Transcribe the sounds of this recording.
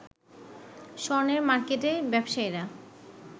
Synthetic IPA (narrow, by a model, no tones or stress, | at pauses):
ʃɔɾneɾmaɾkeʈebɛbʃaeɾa